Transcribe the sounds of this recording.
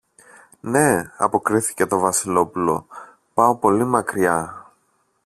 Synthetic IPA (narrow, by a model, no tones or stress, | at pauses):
ne̞ɐ̰po̞kɾiθi̥ce̞t̪o̞vɐsilo̞pulo̞ | pɐo̞po̞limɐkɾiɐ